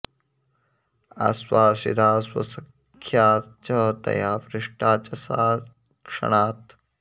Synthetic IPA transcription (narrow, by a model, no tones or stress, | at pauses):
a̰swaːsḭd̪aːswɐ̰sɐkʰjaːt͡ʃɐd̪ɐ̰jaːʋɾɪʂʈaːt͡ʃɐsaː | kʂɐ̰ɳ̃aːt̪